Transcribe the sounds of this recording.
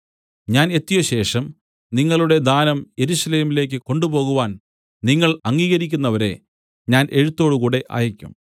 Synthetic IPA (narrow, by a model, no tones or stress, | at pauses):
ɲaːne̞t̪ːijɐɕe̞ːʂɐm | niŋːɐɭuɽe̞d̪aːnɐmje̞ɾuɕɐle̞ːmileːk̬ʲːɨko̞ɳɖubo̞ːɣuʋaːn | niŋːɐɭɐŋːiːɣɐɾikʲːunːɐʋɐɾe̞ | ɲaːnʔe̞ɻut̪ːo̞ːɽɨkuːɽe̞ʔa̰ːjɐkʲːṵm